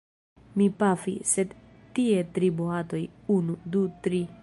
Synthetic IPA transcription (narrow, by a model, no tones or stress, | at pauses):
mipafḭsed̪ | t̪iet̪ɾiboɦat̪o̞junud̪ut̪ɾi